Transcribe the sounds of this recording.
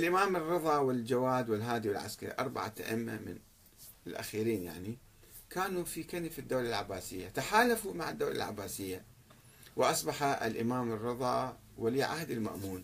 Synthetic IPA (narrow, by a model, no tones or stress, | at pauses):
ʔɪlʔɪmaːmɨrːɨðˤɑːwɪld͡ʒawaːd̪wɪlɦaːd̪iwɪlʕa̰skaɾḭʔɑ̰ɾˤba̰ʕa̰a̰ʔɪmːa̰mɪ̰n | ɪlʔa̰xiːɾiːnja̰ʕni | kaːnufikanfɪd̪ːoːlalʕabːaːsɪjːat̪aħaːlafumaʕɪd̪ːaːla̰lʕa̰bːaːsɪjːa | wɪʔɑsˤbɑħaɪ̰lʔɪmaːmɨrːɨðˤɑː | wɪliːʕahd̪ɪlma̰ʔmuːn